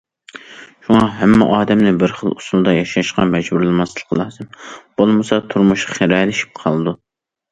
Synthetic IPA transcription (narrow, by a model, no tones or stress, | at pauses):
ʃuŋɑɦɛmːɛ̰ʔɑːd̪ɛmnɪbɪɾχəlˠusulˠd̪ɑjɑʃɑʃqɑ̰mɛd͡ʒbuɾlˠɨmɑslˠəqʰəlˠɑːzɨmb̥olˠmɨsɑt̪ʰuɾmuʃqɑ̥χeɾɑːlɪʃi̥p̚qʰɑlˠɨd̪u